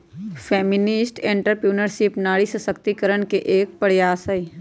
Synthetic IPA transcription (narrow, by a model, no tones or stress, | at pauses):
fʰɛːmɪnɪsʈẽɳʈəɾpɾuːnəɾsɪpnaːɽisəsəkt̪ikəɾənkeʔeːk̚pəɽjaːsəi